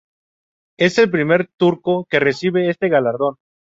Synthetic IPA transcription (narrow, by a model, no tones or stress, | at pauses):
e̞se̞lp̬ɾime̞ɾt̪uɾko̞ke̞re̞siβe̞est̪e̞ɣalaɾðo̞n